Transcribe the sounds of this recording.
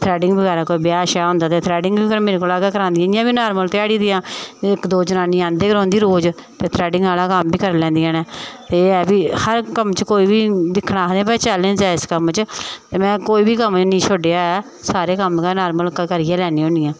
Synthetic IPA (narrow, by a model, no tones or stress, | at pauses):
t̪ʰɾɛːɖɪŋɡbəɡaːɾaːkoːiːbɪjaːʃaːɦõːnd̪aːt̪eːt̪ʰɾɛːɖɪŋɡbiːkəɾmeːɾeːkoːlaːɡɛːkəɾãːnd̪ijaːɪjãːbiːnaːɾməlt̪ɪaːɽiːd̪iːãːɪkd̪oːd͡ʒənaːniːãːnd̪eːkəɾɔ̃ːnd̪iːɾoːd͡ʒ | t̪eːt̪ʰɾɛːɖɪŋɡaːlaːkəmbiːkəɾlɛ̃ːnd̪ijãːnɛːt̪eːɛːbiːhəɾkəmt͡ʃəkoːiːbiːd̪ɪkʰːnaːd̪ẽːpɛ̃ːt͡ʃalẽːd͡ʒaːɪskəmt͡ʃt̪eːmɛ̃ːkoːiːbiːkəmt͡ʃnĩːt͡ʃʰoːɖeaːɛː | saːɾeːkəmkanaːɾməlkkəɾɪjãːlɛːniːõːniːãː